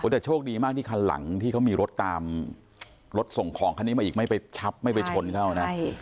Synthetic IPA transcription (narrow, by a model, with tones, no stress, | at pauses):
o˨˦t̪ɛ˨˩t͡ɕʰoː˥˩k̚diː˧maː˥˩k̚t̪iː˥˩kʰa˧lla̰˩˦ŋt̪ʰiː˥˩kʰa˦˥wmiː˧ɾo˦˥t̪ːaː˧m | ɾo˦˥t̪̚so˨˩ŋkʰɔː˩˦ŋkʰa˧nːi˦˥ma˧iː˨˩kma˥˩jpa˧jt͡ɕʰa˦˥p̚ma˥˩jpa˧t͡ɕʰo˧nkʰa˥˩wna˦˥